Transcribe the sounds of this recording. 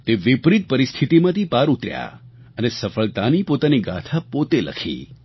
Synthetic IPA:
t̪eʋɪpɾit̪̚pəɾɪst̪ʰit̪imãt̪ʰipaɾut̪ɾja̰ | ənesəfəɭt̪anipot̪aniɡa̰t̪ʰapot̪elə̰kʰḭ

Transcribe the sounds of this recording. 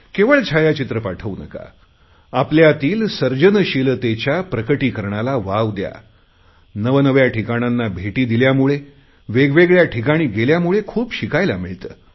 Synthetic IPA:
keʋəɭt͡ɕʰajat͡ɕit̪ɾəpaʈʰəunə̰ka̰ | apljat̪iːlsəɾd͡ʑənəɕilət̪et͡ɕjapɾəkəʈiːkəɾɳalaʋaʋd̪ja̰ | nəʋnəʋjaʈʰikaɽ̃anːabʱeʈiːd̪iljamuɭe | ʋeɡʋeɡɭjaʈʰikaɽ̃iːɡeljamuɭekʰuːpɕikajlamiɭt̪əː

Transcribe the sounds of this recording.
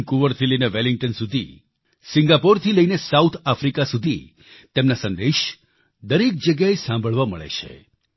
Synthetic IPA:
kuʋəɾt̪ʰiləineʋeliŋɡ̚ʈənsud̪ʱḭ | sĩŋɡapoɾt̪ʰiləinesaut̪ʰafɾikasud̪ʱi | t̪emnasə̃nd̪eʃ | d̪əɾek̚d͡ʒəɡjaesãmbʱəɭʋamə̰ɭḛt͡ʃʰḛ

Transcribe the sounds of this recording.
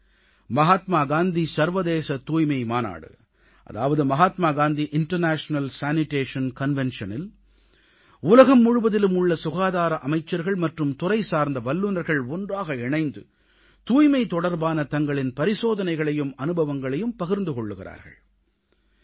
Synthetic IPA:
mɐɦaːt̪maːɡaːnd̪isɐɾʋɐðeːsɐt̪uːjmɐɪmaːna̰ːɽɯ̰ | ʔɐ̰ða̰ːʋɐðɯmɐɣaːt̪maːɡaːnd̪iʔɪɳʈɐɾnaːʂnɐlsaːnɪʈeːʂɐnkɐnʋɛnʂɐnɪl | ʊlɐɣɐmːʊɻʊʋɐðɪlɯmʊɭːɐsʊɣaːðaːɾɐʔɐmɐɪt͡ʃːɐɾɣɐɭmɐʈrɯmt̪ʊrɐɪsaːɾnd̪ɐʋɐlːʊnɐɾɣɐɭɔndraːɣɐɪɳɐɪnd̪ɯ | t̪uːjmɐɪt̪ɔɽɐɾbaːnɐt̪ɐŋɡɐɭɪnpɐɾɪsoːðɐnɐɪɣɐɭɐjɯmɐnɯbɐʋɐŋɡɐɭɐjɯmpɐɣɪɾnd̪ɯkɔɭːɯɣɪɾa̰ːɾɣɐ̰ɭ

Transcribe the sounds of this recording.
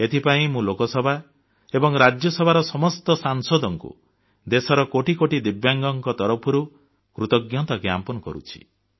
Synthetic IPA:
et̪ʰipaĩmũlokɔsɔbʱa | ebɔŋɾad͡ʒjɔsɔbʱaɾɔsɔmɔst̪ɔsaŋsod̪ɔŋkṵ | d̪esɔɾɔkoʈikoʈid̪ibjaŋɡɔŋkɔt̪ɔɾɔpʰɔɾu | kɾut̪ɔɡjɔt̪ɔɡja̰mpɔnɔkɔ̰ɾṵt͡ʃʰi̥̰

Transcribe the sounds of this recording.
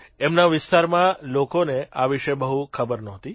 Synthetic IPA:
emnaʋɪst̪aɾmãlokoneaʋiʃebəɦukʰəbəɾnɔɦt̪i

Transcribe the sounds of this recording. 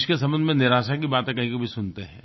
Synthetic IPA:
ʃkesɐ̃mbənd̪ʱmẽnɪɾaːʃakibaːt̪ẽkɐɦĩkobʱisʊnt̪eɦɛ̰̃ː

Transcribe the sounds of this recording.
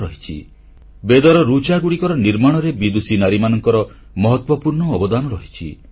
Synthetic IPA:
ɾɔɦit͡ʃʰḭ | bed̪ɔɾɔɾut͡ʃaɡuɽikɔɾɔniɾmaɽ̃ɔɾebid̪usinaɾimanɔŋkɔɾɔ | mɔɦɔt̪wɔpuɾɳɔːbɔd̪anɔɾɔɦit͡ʃʰḭ

